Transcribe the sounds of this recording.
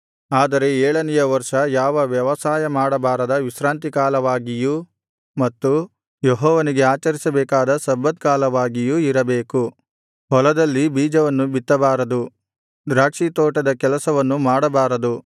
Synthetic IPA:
aːd̪ɐɾe̞ɛːɭɐnɛjɐʋɐɾʂɐjaːʋɐʋjɐʋɐsaːjɐmaːɽɐbaːɾɐd̪ɐʋisɾaːnt̪̬ikaːlɐʋaːɡiju | mɐt̪ːu | jeɦɔːʋɐniɡe̞aːt͡ʃɐɾisɐbɛːkaːd̪ɐsɐbːɐt̪̚kaːlɐʋaːɡijuiɾɐbeːku | ɦɔlɐd̪ɐlːibiːd͡ʒɐʋɐnːubit̪ːɐbaːɾɐd̪u | ɾaːkʂit̪oːʈɐd̪ɐkɛlɐsɐʋɐnːumaːɽɐbaːɾɐd̪u

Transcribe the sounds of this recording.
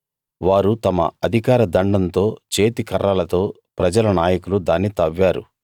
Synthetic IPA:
ʋaːɾut̪ɐmɐ̰ɐd̪ʱikaːɾɐd̪ɐɳɖɐnt̪o̞ːt͡ʃe̞ːt̪ikɐɾːalɐt̪o̞ː | pɾɐd͡ʒɐlɐnaːjɐkulud̪aːnːit̪ɐʋːaːɾṵ

